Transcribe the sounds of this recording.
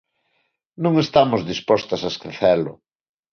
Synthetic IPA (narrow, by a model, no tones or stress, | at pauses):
nũŋest̪amozðispɔst̪asaeskɾeθɛlʊ̰